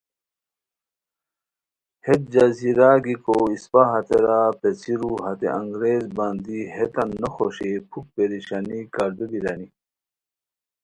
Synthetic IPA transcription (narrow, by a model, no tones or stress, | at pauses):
het̪̚d͡ʑaziɾaːɡikoispaɦɐt̪eɾapesiɾuɦɐt̪ḛʔɐ̃ŋɡɾeːzbaːnd̪iɦet̪ɐnːɐxoɕepʰuk̚peɾiɕaːnikaɾd̪ed̪iɾani